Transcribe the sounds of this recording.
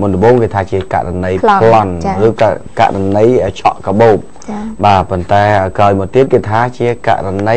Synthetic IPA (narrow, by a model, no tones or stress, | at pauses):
munlə̆ɓoːŋkeːt̪ʰaːt͡ɕiəka̰ʔranəjʰlɔnrɨːka̰ʔɾanəjʔəːt͡ɕʰɑ̰ʔkɑɓoːp̚ | ɓaːpont̪aɛʔəːkraɔjmɔət̪iət̪̚keːt̪ʰaːt͡ɕiəka̰ʔranə